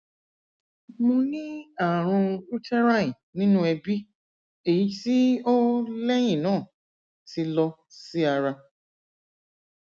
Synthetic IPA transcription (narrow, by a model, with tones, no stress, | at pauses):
mõ˧nĩ˦a˦˨ɾ̃ũ˧ɾu˦tɛ˦ɾa˦˨ĩ˨nĩ˦nũ˦ɛ˧bi˦ | e˨ji˨˦ti˦o˦lɛ˦j̃ĩ˦˨nãː˦˨ | ti˧lɔ˧ | si˦a˧ɾa˧